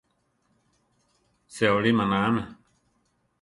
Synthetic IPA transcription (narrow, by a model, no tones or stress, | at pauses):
seoɽimãnãːmɛ